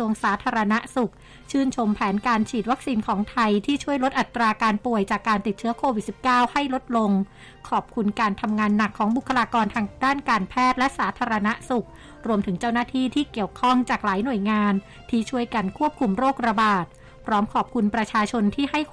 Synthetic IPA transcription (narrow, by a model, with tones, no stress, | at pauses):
u˧əŋsaː˩˦t̪ʰaː˧ɾa˧na˦˥ʔsu˨˩k̚ | t͡ɕʰɯː˥˩nt͡ɕʰo˧mpʰɛː˩˦nkaː˧nt͡ɕʰiː˨˩t̪̚wa˦˥k̚siː˧nkʰɔː˩˦ŋt̪ʰa˧jt̪ʰiː˥˩t͡ɕʰu˥˩əjlo˦˥t̪̚ʔa˨˩t̪ːɾaː˧kaː˧npu˨˩əjt͡ɕaː˨˩kːaː˧nt̪i˨˩t͡ɕʰɯ˦˥ɐkʰoː˧wi˨˩si˨˩p̚kaː˥˩wha˥˩jlo˦˥t̪̚lo˧ŋ | kʰɔː˨˩p̚kʰu˧nkaː˧nt̪ʰa˧mŋaː˧nːa˨˩kʰːɔː˩˦ŋbu˨˩kʰːa˧laː˧kɔː˧nt̪ʰaː˧ŋdaː˥˩nkaː˧npʰɛː˥˩t̪̚lɛ˦˥ʔsaː˩˦˥t̪ʰaː˧ɾa˧na˦˥su˨˩k̚ | ɾu˧əmt̪ʰɯ˩˦ŋt͡ɕa˥˩wnaː˥˩t̪ʰiː˥˩t̪ʰiː˥˩ki˨˩əwkʰɔ˥˩ŋt͡ɕaː˨˩k̚laː˩˦jnu˨˩əjŋaː˧n | t̪ʰiː˥˩t͡ɕʰu˥˩əjka˧nkʰu˥˩p̚kʰu˧mɾoː˥˩k̚ɾa˧baː˨˩t̪̚ | pʰɾɔː˦˥mkʰɔː˨˩p̚kʰu˧npɾa˧t͡ɕʰaː˧t͡ɕʰo˧nt̪ʰiː˥˩ha˥˩j